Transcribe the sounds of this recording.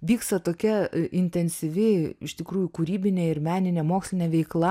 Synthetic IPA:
ʋʲiːkst̪ɐt̪oːkʲɛɪnʲt̪ʲɛnʲsʲɪʋʲɪɪʃt̪ʲɪkɾuːjʊkʊɾʲiːbʲɪnʲeːɪrmʲæːnʲɪnʲɛmoːksʲlʲɪnʲɛʋʲɛɪklˠɐ

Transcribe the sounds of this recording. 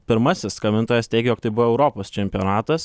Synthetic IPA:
pʲɪɾmɐsʲɪskɐmʲɪnt̪oːjɛst̪ʲɛɪɡʲɛjoːk̚t̪ɐɪbʊʋoɛʊɾoːpoːst͡ʃʲɛmʲpʲijonɑːt̪ɐs

